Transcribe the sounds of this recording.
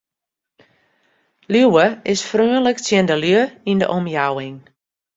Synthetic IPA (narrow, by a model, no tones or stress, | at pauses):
luwəɪsfryənləktjəndəløəində̰ʔɔmjawɪŋ